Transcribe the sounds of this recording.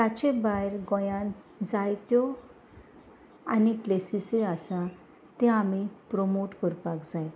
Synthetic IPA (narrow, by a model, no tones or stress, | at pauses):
t̪at͡ɕẽbajɾɡɔ̃jã | d͡zajt̪jɔ | aniplesiseasa | t̪ẽamipɾɔmoʈkɔɾpakd͡zaj